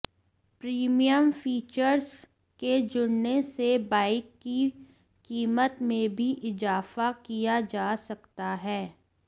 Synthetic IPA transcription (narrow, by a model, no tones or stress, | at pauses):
pɾiːmijəmfiːt͡ʃəɾz | ked͡ʒʊɽnesebaːɪkːi | kiːmət̪mẽbʱiʔɪzaːfakijad͡ʒaːsɐkt̪aɦɛː